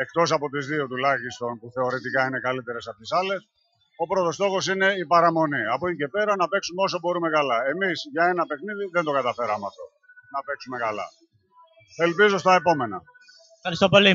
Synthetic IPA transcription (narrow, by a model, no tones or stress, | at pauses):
e̞kt̪o̞s̬ɐpo̞t̪izðio̞t̪ulɐçist̪o̞npuθe̞o̞ɾet̪ikɐine̞kɐlit̪e̞ɾe̞sɐpoçesɐle̞s | opɾo̞t̪o̞st̪o̞xo̞sine̞ipɐɾɐmo̞niɐpoice̞pe̞ɾɐnɐpe̞ksumeo̞so̞bo̞ɾume̞kɐlɐe̞misʝɐe̞nɐpe̞xniðiðend̪o̞kɐt̪ɐfeɾɐmɐft̪o̞̰ | nɐpe̞ksume̞kɐlɐ̰ | e̞lpizo̞st̪ɐe̞po̞me̞nɐ | ɐɾist̪opoli